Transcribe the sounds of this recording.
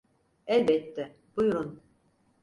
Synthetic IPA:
ɛlʲbɛt̪ʰːɛ | b̥ujuɾun

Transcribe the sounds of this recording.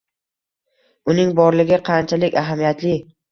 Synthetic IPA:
ʊnɪŋbɒɾlɪɡʲɪqʰɑnt͡ʃʰalɪkʲaɦamijat̪lɪ

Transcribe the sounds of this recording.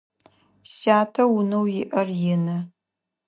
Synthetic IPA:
ɕaːtʰɐwunɐwjɪʔɐrjɪnɐ

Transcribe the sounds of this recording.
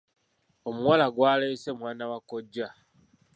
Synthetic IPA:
omuwalaɡwaːleːse̞mwaːnawakoɟːa

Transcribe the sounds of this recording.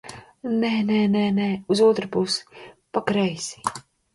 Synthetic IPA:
nɛnɛnɛnɛuzuɔt̪ɾɨpuspakɾɛjsi̥

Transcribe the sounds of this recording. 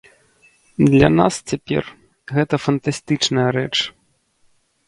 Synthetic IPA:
d̪lʲɐ̰nast͡sʲapʲɛ̰r | ɣɛt̪ɐfɐnt̪asʲt̪ɨt͡ʂnɐjɐɾɛ̰t͡ʂ

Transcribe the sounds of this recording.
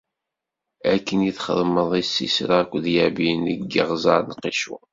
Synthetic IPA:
ækːəniθχə̰ðməðˤisːḭsɾakʷːðjæbiniɡːiʁzɑɾnqːiʃṵ

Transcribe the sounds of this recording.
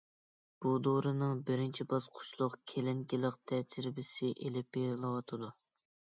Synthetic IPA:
b̥ud̪oɾɨnɨŋbɪɾɪnt͡ʃʰibɑsqʰʊ̥ʃlˠʊqkʲʰelɪŋkʲilˠəq̚t̪ʰɛd͡ʒiɾɪbɪsɪʔelɪpːeɾlˠɨwɑt̪ʰɨd̪u

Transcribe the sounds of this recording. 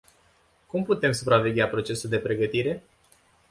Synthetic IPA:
kumput̪e̞msupɾave̞ɡʲapɾo̞t͡ʃe̞suld̪e̞pɾe̞ɡət̪iɾe̞

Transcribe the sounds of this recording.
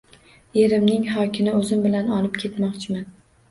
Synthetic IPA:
eɾɪmnɪŋɦɒkʲʰɪmɪɵzɪmbɪlanɒlɪpkʲʰe̞t̪mɒqt͡ʃʰɪman

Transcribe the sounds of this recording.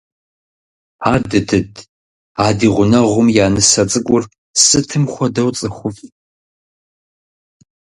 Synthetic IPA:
aːdɨtʰɨdʰ | aːdiːʁʷʊnɐʁʷʊmjaːnɨsɐt͡sʼɨkʷʼʊr | sɨtʰɨmχʷɔdɐwt͡sʼɨxʷʊfʼ

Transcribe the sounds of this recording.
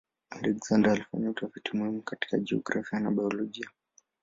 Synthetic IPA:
alɛkz̥andaːlifa̰ɲautafitimuhimukati̥kaʄɛɔ̰ɡɾafianaɓajɔlɔʄia

